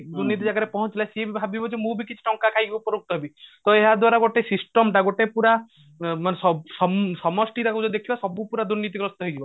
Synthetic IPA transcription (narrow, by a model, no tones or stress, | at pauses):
d̪uɾnit̪̬id͡ʒaɡaɾepɔɦɔ̃t͡ʃilasiebibʱabibɔd͡ʒemũbʱikit͡ʃʰi̥ʈɔŋkakʰajɡibɔpɔɾuk̚t̪ɔɦebit̪ɔeɦad̪waɾaɡoʈesisʈɔmʈaɡoʈepuɾa | manesɔsɔmsɔmɔsʈiɾakud͡ʒɔd̪ekʰibasɔbupuɾad̪uɾnit̪iɡɾɔst̪ɔɦɔjɡiba